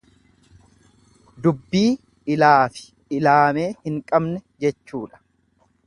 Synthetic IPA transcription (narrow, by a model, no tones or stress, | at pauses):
d̪ʊbːiː | ɪlaːfɪ̥ | ɪlaːme̞ːhɪŋkʼɐbnɛd͡ʒɛt͡ʃːuːᶑɐ̥